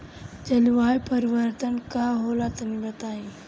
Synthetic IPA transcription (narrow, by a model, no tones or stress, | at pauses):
t͡ʃɐlʋaːjpəɾiʋəɾt̪ənkaɦoːlat̪ɐmibət̪aːĩ